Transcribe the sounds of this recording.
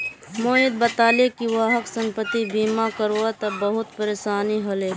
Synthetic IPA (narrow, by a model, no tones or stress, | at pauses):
moːɪd̪̚bɐt̪aːlekiʋaɦəksɐ̃mpət̪ibiːmakəɾoat̪ɐbɐɦʊt̪pəɾeːʃaːniɦɐle